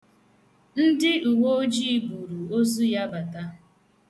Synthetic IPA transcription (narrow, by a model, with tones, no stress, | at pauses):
n̩˦dɪ˦u˨wo˦o˦d͡ʒi˦˨bu˨ɾu˨o˦zu˦ja˦ba˨ta˦